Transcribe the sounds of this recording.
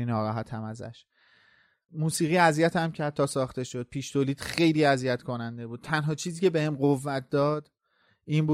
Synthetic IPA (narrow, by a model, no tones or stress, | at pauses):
inɒːɾɒːɦæt̪ʰæmæzæ̰ʃ | muːsiːɣiːæzijæt̪ʰæmcʰæd̪̚ʰɒːsɒːχt̪e̞ʃo̞d̪̥̚pʰiːʃt̪ʰoliːd̪̥xe̞jliːæzijæt̪ʰkʰo̞nænd̪e̞buːd̪̥̚t̪ʰænɦɒːt͡ʃʰiːziːcʰebe̞hemɢovːæt̪̚ʰd̪ɒːd̪̥ | iːnbuː